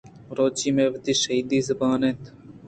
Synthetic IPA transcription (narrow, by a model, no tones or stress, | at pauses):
ɾoːt͡ɕiːmeːʋɐt̪iʃɐiːd̪iːzɐbɑːneːt̪